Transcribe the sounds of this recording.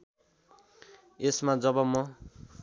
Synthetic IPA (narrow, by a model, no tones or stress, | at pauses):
esmad͡zʌbʌmʌ